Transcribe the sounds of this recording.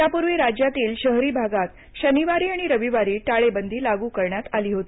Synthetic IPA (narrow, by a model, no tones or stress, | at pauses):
japuɾʋiːɾad͡ʑjat̪iːlɕəɦɾiːbʱaɡat̪ | ɕəniʋaɾiːaɽ̃iɾəʋiʋaɾiːʈaɭebənd̪ʱiːlaɡuːkəɾɳjat̪aliːɦot̪iː